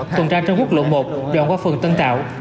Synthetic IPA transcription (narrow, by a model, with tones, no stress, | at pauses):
t̪wə˨˩nt͡ɕaː˧t͡ɕŋ͡mku˦˥k̚lə̰˧˨mo˨˩p̚ɗo̰˨ŋkwaː˧fɨ˨˩ŋt̪ə˧nt̪a̰ː˧˨w